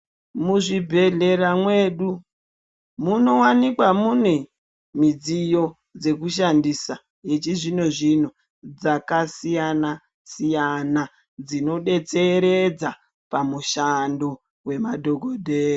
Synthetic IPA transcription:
muʐibʱe̞ɮe̞ɾamwe̞ːɗu | muno̞wanikwamune | mid͡zijo̞ | d͡ze̞kuʃandisa | je̞t͡ʃiʐino̞ʐin̤o̞ | d͡zakasijana | sijana | d͡zino̞ɗe̞t͡se̞ɾe̞d͡za | pamuʃando | we̞madʱo̞ɡʱodʱeːro

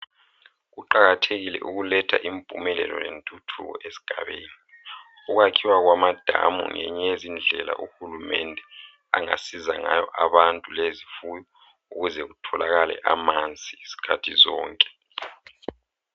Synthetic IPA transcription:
ɣuǃaɣatʰeɣilɛ̰ʔuɣulɛtʰaʔimpʼumɛlɛlɔnentʼutʰuɣɔ̰ʔesi̥ɡ̥ʱaβeːni | uɣakʰiwaɣwamad̥ʱamṵŋɛɲɛezind͡ɮʱɛla̰ʔuxulumɛndʱɛ | aŋa̰sizaŋajɔʔaβantʼulezifujɔ | uɣuzɛɣutʰɔlaɣalɛ̰ʔamant͡sʼiisi̥kʰatʰizɔːŋkʼɛ̥

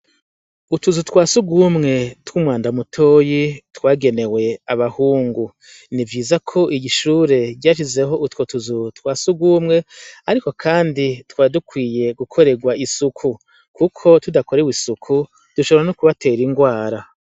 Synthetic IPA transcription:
utuzutwaːsuɡwumŋe̞twumwaːndamutʰo̞ːjitwaːɡe̞ne̞we̞aβahuːŋɡu | nivɟiːzakʰo̞ʔiɟiʃuːɾe̞ɟaːʃ̬ize̞ɦo̞ʔutwotuzutwaːsuɡwumŋe̞aɾiko̞kʰaːnditwaːdukwiːje̞ɡukʰo̞ɾe̞ɡwaisukʰu | kukʰo̞tudako̞ɾewisukʰu | d̥uʃoɾanokuβate̞ːɾiŋɡwaːɾa

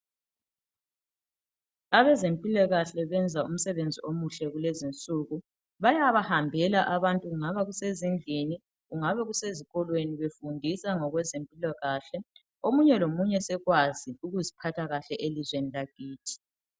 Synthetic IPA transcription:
aβɛzempʼilaɣaɬɛβɛnd͡zʱaum̩sɛβend͡zʱiʔomuɬɛɣulezint͡sʼuɣu | βajaβahambʱɛlaʔaβantʼuɣuŋaβaɣusezind͡ɮʱini | ɣuŋaβɛɣuseziɣɔlweniβefundʱisaŋɔɣwɛzempʼilaɣaɬɛ | omuɲɛlomuɲɛsɛɣwaziuɣuzipʰatʰaɣaɬɛʔelizwenilaɡ̥ʱiːtʰi̥

